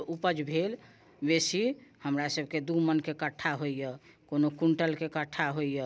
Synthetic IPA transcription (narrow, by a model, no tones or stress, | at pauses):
upəd͡ʒbʱel | besihəmɾasəbʱked̪umənkekəʈʰːaɦoijəkonokuɳʈəlkekəʈʰːaɦoijə